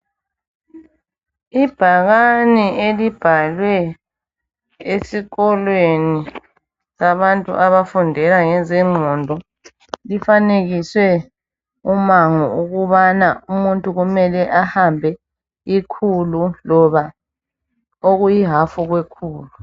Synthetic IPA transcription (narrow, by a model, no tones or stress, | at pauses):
ib̥ʱaɣanielib̥ʱalwɛ | esiɣɔlweni | saβantʼṵʔaβafundʱɛlaŋɛzɛŋ͡ǃʱɔndʱɔ | lifaneɣiswɛ | umaŋɔuɣuβanaumuntʼuɣumɛlɛʔahambʱɛ | ikʰululɔβa | oɣujiɦafuɣwekʰuːlu